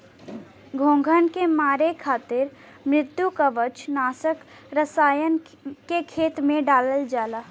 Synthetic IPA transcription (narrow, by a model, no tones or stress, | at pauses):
ɡʱõːŋɡʱənkemaːɾekʰaːt̪ɪɾ | mɾɪt̪jukəʋət͡ʃnaːsək | ɾəsaːjən | kekʰeːt̪mẽɖaːləld͡ʒaːlaː